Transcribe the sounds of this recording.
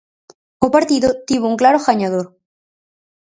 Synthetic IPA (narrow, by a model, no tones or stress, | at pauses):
opaɾt̪iðot̪iβouŋklaɾoxaɲaðoɾ